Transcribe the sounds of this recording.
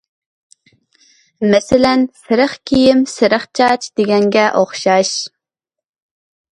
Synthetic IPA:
mɛsɪlɛnsɨɾɨχkʲʰijɪmsɨɾɨχt͡ʃʰɑt͡ʃʰd̪̥ɪɡʲɛŋɡʲɛʔoχʃɑʃ

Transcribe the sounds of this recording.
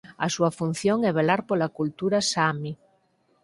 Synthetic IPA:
ɐ̰suafun̟θjoŋɛβelaɾpolakult̪uɾasami

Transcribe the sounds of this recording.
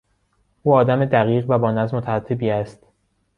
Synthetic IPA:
ʔuːɒːd̪æmed̪æɣiːɣvæbɒːnæzmot̪ʰææt̪ʰːebiːæst̪

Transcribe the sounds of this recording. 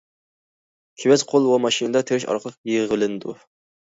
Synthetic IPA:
kʲʰewɛzqʰolˠwɑmɑʃinɨd̪ɑt̪ʰeɾɪʃɑ̰ɾqəlˠəq̚jeʁəlˠɨnɨd̪u

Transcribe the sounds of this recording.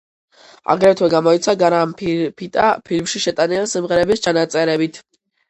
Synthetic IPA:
a̰ɡɾɛt̪ʰwɛɡamɔit̪sʰaɡaɾamppʰit̪ʼapʰilmʃiʃɛt̪ʼaniansimʁɛɾɛbist͡ʃʰanat̪sʼɛɾɛbit̪ʰ

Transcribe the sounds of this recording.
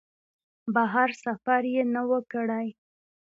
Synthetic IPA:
baɦaɾsafaɾjenawəkəɽaj

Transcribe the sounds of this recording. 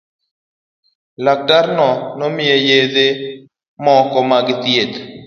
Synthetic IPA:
lak̚daɾnɔnomɪejed̪e | mɔkɔmaɡɪt̪jed̪

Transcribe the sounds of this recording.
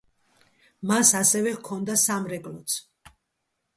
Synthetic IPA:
masasɛvɛkʰɔnd̪asamɾɛɡʼlɔt̪sʰ

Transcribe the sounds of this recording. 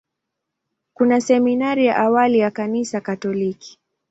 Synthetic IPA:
kunasɛminaɾija̰ʔawalijakanisakatɔliki̥

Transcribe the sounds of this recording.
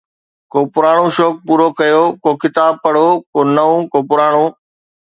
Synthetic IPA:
koːpʊɾaːɽ̃õʃoːk̚puːɾokɐjoːkoːkɪt̪aːb̚pɐɽ̤oːkoːnɐʋõkoːpʊɾaːɽ̃õː

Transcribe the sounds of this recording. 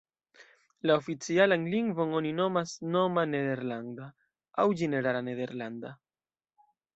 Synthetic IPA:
laofit͡sialanliŋɡvo̞no̞nino̞masno̞mane̞d̪e̞ɾlanda | awd͡ʒene̞ɾalane̞d̪e̞ɾland̪a

